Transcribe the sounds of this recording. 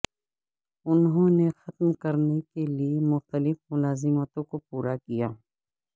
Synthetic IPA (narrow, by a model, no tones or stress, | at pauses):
ʊnɦõnexɐt̪mkɐɾnekeliemʊxt̪əlɪfmʊlaːzɪmət̪õkopuːɾakijaː